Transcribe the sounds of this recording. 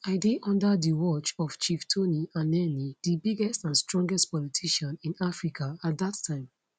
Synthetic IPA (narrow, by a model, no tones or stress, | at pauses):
aɪdeʔɔ̃ndadiwɔt͡ʃɔft͡ʃiftʰoniãnɛnidibiɡɛstãnstɹɔ̃ŋɡɛstpɔlitʰiʃɔ̃nĩnafɹikʰaat̚ðatʰːãɪ̃m